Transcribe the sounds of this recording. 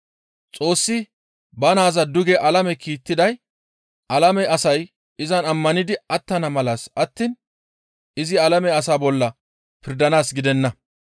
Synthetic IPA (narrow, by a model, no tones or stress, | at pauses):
t͡sʼo̞ːsːɪ | bɐnaːzɐd̪ʊɡɛʔɐlɐmɛkiːt̪ːɪd̪ɐj | ʔɐlɐmɛʔɐsɐj | ɪzɐnɐmːɐnɪd̪ɪɐt̪ːɐnɐmɐlaːsɐt̪ːiːn | ɪzɪɐlɐmɛɐsaːbɔlːɐ | pɪɾd̪ɐnaːsɡɪd̪ɛnːɐ